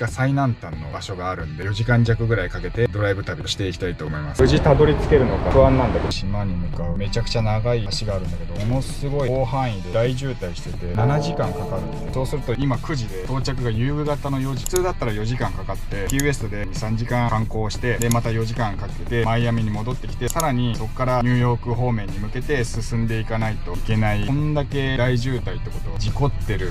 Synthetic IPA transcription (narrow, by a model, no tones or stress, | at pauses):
ɡasainãnt̪ãnːo̞̰baɕo̞ɡaːɾɯ̟̃nod̪e̞jo̞ʑikãɲ̟d͡ʑakɯ̟ɡɯ̟ɾaikake̞t̪e̞d̪o̞ɾaibɯ̟t̪abʲioɕi̥t̪e̞ikʲi̥t̪ait̪o̞ːmo̞imasɯ̟ʑit̪ad̪o̞ɾʲit͡sɨ̥ke̞ɾɯ̟no̞kaɯ̟ãnːãnd̪akeoɕimaɲ̟imɯ̟kaɯ̟me̞t͡ɕakɯ̟̥t͡ɕanaɡaiaɕiɡaːɾɯ̟̃nd̪ake̞d̪o̞mono̞sɨɡo̞ioːhãɰ̃id̪ed̪aiʑɨːt̪aiɕi̥t̪e̞t̪e̞nanaʑikãŋkakaɾɯ̟t̪so̞ːsɨɾɯ̟t̪o̞imakɯ̟ʑid̪e̞t̪o̞ːt͡ɕakɯ̟ɡajɯːɡɯ̟ɡat̪ano̞jo̞ʑi̥t͡sɨːd̪at̪ːaɾajo̞ʑikãŋkakat̪ːe̞kʲie̞sɨ̥t̪o̞d̪e̞ɲisãɲ̟d͡ʑikãkãŋko̞ːɕi̥t̪e̞d̪e̞mat̪ajo̞ʑikãŋkake̞t̪e̞maijamʲiɲ̟imo̞d̪o̞t̪ːe̞kʲi̥t̪e̞saɾaɲ̟iso̞kːaɾaɲʲɨːjo̞ːkɯ̟ɦo̞ːmẽ̞ɲ̟ːimɯ̟ke̞t̪e̞sɨsɨ̃nd̪e̞ikanait̪o̞ike̞naĩnd̪ake̞d̪aiʑɨːt̪ait̪ːe̞ko̞t̪o̞βad͡ʑiko̞t̪ːe̞ɾɯ̟